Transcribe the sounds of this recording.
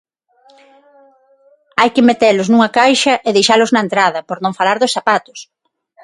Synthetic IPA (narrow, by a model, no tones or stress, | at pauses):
ajkɪmet̪eɾlʊznuŋɐkajʃɐʔeðejʃalʊznɐent̪ɾaðɐpoɾnõŋfalaɾðʊsθapat̪ʊ̥s